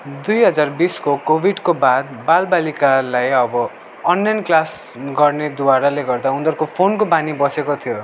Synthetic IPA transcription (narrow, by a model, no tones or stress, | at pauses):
d̪ujɦʌd͡zarbiskokobʱiɖkobad̪balbalikalajʌbʌ | ʌnːajnklas | ɡʌrned̪uwaɾaleɡʌrd̪aund̪ʌrkopʰonkobanibʌsekot̪ʰijo